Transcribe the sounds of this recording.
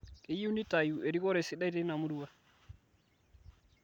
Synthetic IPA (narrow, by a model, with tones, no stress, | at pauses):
kɛ˨ji˦wni˦ta˨ju˨ʔe˨ɾi˦kɔ˦ɾe˨si˦ɗa˦jte˦i˦na˨mu˦du˦wa˦˨